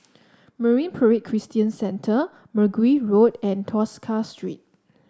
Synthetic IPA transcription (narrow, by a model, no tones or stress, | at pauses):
məɹĩnpʰəɹet̚kʰɹistiə̃nsɛ̃ntʰə | məɡwiɹodɛ̃ntʰɔskʰastʰɹḭt̚